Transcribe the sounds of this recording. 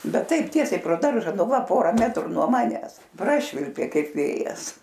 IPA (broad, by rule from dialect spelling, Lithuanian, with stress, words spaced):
ˈbʲɛt ˈtɐɪp ˈtʲiɛsʲɛɪ proː ˈdɐrʒɐ ˈnʊ ˈʋɐ ˈpoːrɐ ˈmʲæːtrʊ nuɔ ˈmɑːnʲɛs ˈprɑːʃʲʋʲɪlʲpʲeː ˈkɐɪp ˈʋʲeːjɛs